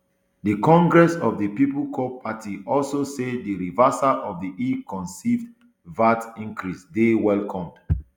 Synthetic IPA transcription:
dəkɔ̃ŋɡɹɛsɔvdəpipl̩kʰopʰatʰiʔɔlsosediɹivasaʔɔvðiʔikʰɔ̃nsivd | vatĩŋkʰɹisdewɛlkʰɔ̃md

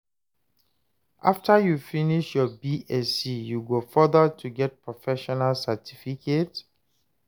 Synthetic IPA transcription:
ʔaftəjufiniʃjɔbiʔɛsijuɡofɔdətʰuɡɛt̚pɹɔfɛʃɔnalsatʰifikʰet

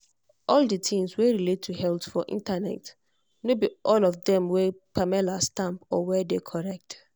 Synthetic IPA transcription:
ʔɔldətʰĩmsweɹiletʰːuhɛltfɔʔḭ̃ntanɛ̰t | nobiʔɔlɔfdɛ̃mwɛpʰamɛlastãmpɔwɛdekʰɔɹɛk̚t

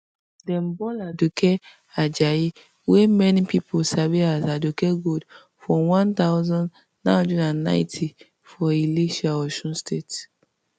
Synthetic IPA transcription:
dɛ̃mbɔladukɛ | ad͡ʒaji | wemɛnipipʰolsaviazadukɛɡud | fɔ̃wãnt̪aʊzɔ̃n | nãdɛdãnːã̰ɪ̃ntʰi | fɔileʃaɔʃɔ̃nstʰet

